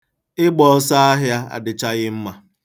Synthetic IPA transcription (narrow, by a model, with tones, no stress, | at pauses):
ɪ˦ɡ͡bɔ˨ɔ˦sa˦a˦ɦja˦a̰˨dɪ˨t͡ʃa˦ɣɪ˦m̩˦ma˨